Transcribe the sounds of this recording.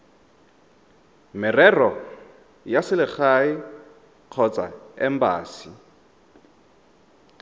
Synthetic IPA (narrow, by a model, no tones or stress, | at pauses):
mɪrɛrɔ | jasɪlɪχaɪ | q͡χʰɔt͡sʼa̰ɛmbaːsi